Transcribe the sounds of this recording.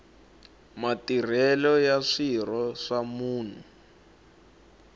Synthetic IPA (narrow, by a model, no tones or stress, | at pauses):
matir̤ɛlɔjaʂir̤ɔʂamuːn̤u